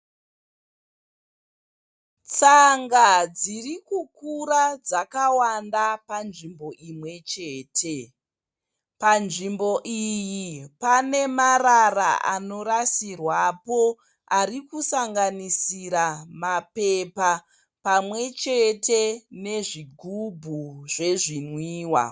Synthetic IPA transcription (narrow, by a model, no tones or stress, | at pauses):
t͡saŋɡad͡zirikukuɾad͡zakawandapanʐimbo̞ʔimwe̞t͡ʃe̞ːtʰe̞ | panʐimbo̞ʔijipane̞marara̰ʔa̰no̞ɾasirwapo̞ | aɾikusaŋɡanisiɾamapepa | pamwe̞t͡ʃe̞tene̞ʐiɡʱubʱuʐe̞ʐinwiːwa̰